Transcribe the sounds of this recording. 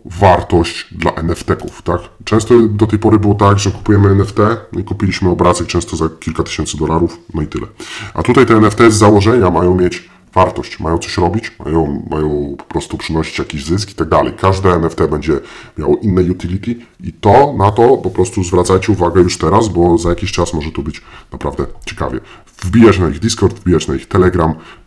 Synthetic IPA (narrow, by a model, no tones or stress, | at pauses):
vaɾt̪ɔɕt͡ɕd̪la̰ʔɛnɛft̪ɛkuft̪akt͡ʂɛ̃w̃st̪ɔd̪ɔt̪ɛjpɔɾɘbɘwɔt̪aɡʐɛku̥pujɛmɘɛnɛft̪ɛnikupʲilʲiɕmɘɔbɾazɘkt͡ʂɛ̃w̃st̪ɔzakʲilkat̪ɘ̥ɕɛnt̪sɘd̪ɔlaɾufnɔit̪ɘlɛ̰ʔa̰t̪ut̪ajt̪ɛɛnɛft̪ɛzawɔʐɛɲamajɔ̃w̃mʲjet͡ɕ | vaɾt̪ɔɕt͡ɕmʔajɔ̃w̃t̪sɔɕɾɔbʲit͡ɕma̰jɔ̃w̃majɔ̃w̃pɔ̥pɾɔst̪upʂɘnɔɕi̥t͡ɕjakʲiʑzɘski̥t̪aɡ̚d̪alɛ̰jkaʐd̪ɛːnɛft̪ɛbɛɲd͡ʑɛmʲja̰wɔʔinːɛjut̪ilʲit̪ʲiit̪ɔnat̪ɔpɔpɾɔst̪uzvɾat̪sajt͡ɕɛuvaɡɛjuʂt̪ɛɾasbɔzajakʲiɕt͡ʂasmɔʐɛt̪ubɘt͡ɕnapɾavd̪ɛt͡ɕɛ̥ka̰vʲjɛ̰ | vbʲijat͡ɕnaiɣd̪iskɔɾd̪vbʲijat͡ɕnaixt̪ɛlɛɡɾam